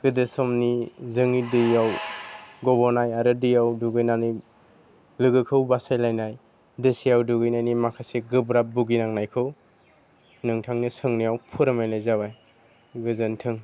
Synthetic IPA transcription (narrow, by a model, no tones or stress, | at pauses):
ɡɯdɯsɔmnizɯŋidɯjawɡɔbɔɾnajaɾɯdɯjawduɡɯjnani | lɯɡɯkʰɯwbasajlajnaj | dɯsijawduɡɯjnajnimakʰaseɡɯbɾabuɡinaŋnajkʰɯw | nɯŋtʰaŋnisɯŋnijawpʰɯɾɯmajnajzabaj | ɡɯzɯntʰɯŋ